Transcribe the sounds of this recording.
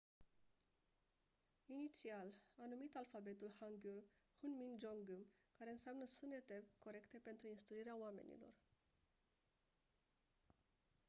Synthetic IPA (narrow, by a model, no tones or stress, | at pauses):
init̪sialanumit̪alfabe̞t̪ulhaŋɡulhunmind͡ʒoŋɡumkaɾe̞ɨnseamnəsune̞t̪e̞ko̞ɾe̞kt̪e̞pe̞nt̪ɾuinst̪ɾuiɾeaoame̞̰nḭlo̞̰r